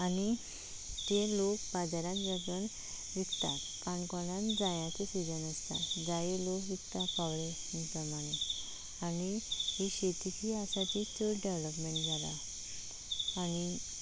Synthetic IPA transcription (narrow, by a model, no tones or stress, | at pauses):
añi | t̪elokbad͡zaɾãt̪d͡zəɡən | ʋikt̪a̰t̪kankɔɽ̃ãnd͡zajat͡sesid͡ʑənəst̪a̰d͡zajelokʋikt̪apaʋɭe | mipɾəmaɽ̃e | anihiɕet̪it̪ʰiasaʈʰiːtəɖeʋləpmẽɳʈd͡zʱala̰ | ni